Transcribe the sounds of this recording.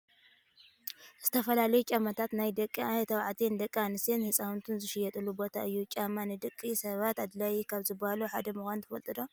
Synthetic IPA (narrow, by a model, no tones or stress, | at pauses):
z̥ɨt̪ʰɐfɐlalɐjut͡ʃʼamɐt̪ʰat̪najd̪ɐkʼːit̪ʰɐβʕt̪ʰind̪ɐkʼːianɨsenhɨsʼawunt̪ʰɨnzɨʃɪjːɛt̪ʼɨlubo̞t̪ʰaʔɨjːut͡ʃʲʼamːanɨd̪ɨkʼːisɐβat̪ad̪lajkʰaβzɨbːahaluħad̪ɐmɨxʷant̪ʰɨfɐlt̪ʼɨd̪o